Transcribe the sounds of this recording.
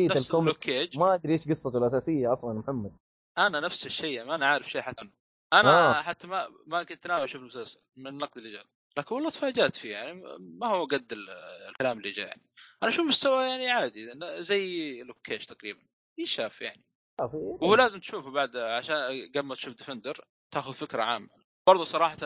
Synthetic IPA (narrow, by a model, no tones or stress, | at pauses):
iːnaalkʊmlːʊkʰːeːd͡ʒmaʔad̪ɾiːt̪ɡɨsˤːɑt̪wlʔasaːsɪjːaʔɑsˤlɑnmʊħamːad̪̚ | ʔananafsɪʃːajːaʕiʔanaʕaːɾɪfʃaːħat̪ːnː | ʔanaaħat̪ːama | makɪnt̪naːwɪʃuːfɪlmʊsalsalmɪnɪnːɑqd̪ɪlːid͡ʒa̰ːb | laːkɪnwɑlˤːɑːt̪faːd͡ʒaːt̪fijaʕnimahʊwɡad̪ːɪllkalaːmɪlːid͡ʒa̰jaʕniʔanaʃuːmʊst̪awajaʕniʕaːd̪inzajːlʊbkʰeːʃt̪aqɾiːban | ʔiːʃaːfja̰ʕni | afiwhuːlaːzɪmt̪ʃuːfbaʕd̪ʕaʃaːnɡamːat̪ʃuːfd̪ɪfɪnd̪ɑɾ | t̪aːxʊðfɪkɾa̰ʕa̰ːmːa̰ | b̥ɑɾˤðˤusˤɑɾˤɑːħɑt̪